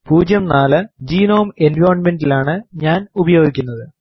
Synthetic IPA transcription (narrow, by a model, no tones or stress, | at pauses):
puːd͡ʑjɐmnaːlɐd͡ʑiːnoːme̞nʋoːɾɐnme̞nɖilaːɳɨɲaːnubɐjo̞ːɡikʲːunːɐðɨ